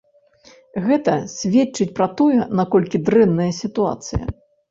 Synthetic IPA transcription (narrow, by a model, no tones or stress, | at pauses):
ɣɛt̪ɐsʲvʲɛt͡ʂːɨt͡sʲpɾɐt̪ɔjɛnakɔlʲkʲid̪ɾɛnːɐjɐsʲit̪ua̰t̪sɨ̰jɐ̰